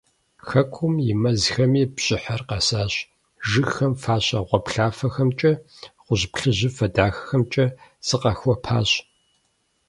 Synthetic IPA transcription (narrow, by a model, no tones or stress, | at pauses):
xɐkʷʰʊmjɪmɐzxɐmiːpɕʼɪħɐrqɐsaːɕ | ʒɨxɐmfaːɕʼɐʁʷɔpɬaːfɐxɐmt͡ʃʼɐ | ʁʷʊʑpɬɨʑɪfɐdaːxɐ̥xɐmt͡ʃʼɐsɨqɐxʷɔpʰaːɕ